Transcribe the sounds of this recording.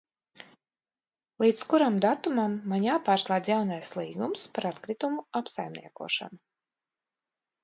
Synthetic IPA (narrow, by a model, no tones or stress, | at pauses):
lˠiːt̪skuɾamd̪at̪umamːaɲʲjaːpaːɾslˠaːd̪zjawnajslˠiːɡumspaɾat̪kɾit̪umuapsajmnḭɛkṵɔʃa̰nu